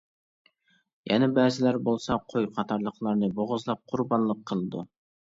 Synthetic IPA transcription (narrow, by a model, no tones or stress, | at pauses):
jʔɛ̰nɛbæzɪlæɾbolˠsɑqʰojqʰɑt̪ʰɑɾlˠəqlˠɑɾnɨboʁʊzlˠɑp̚qʰʊɾbɑnlˠəqʰːəlˠɨd̪ṵ